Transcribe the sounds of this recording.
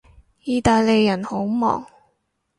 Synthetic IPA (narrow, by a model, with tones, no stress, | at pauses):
jiː˨˧t̪aː˨jle˨˧jːɐ˨˩nho˨˥wmɔ̰ː˨˩ŋ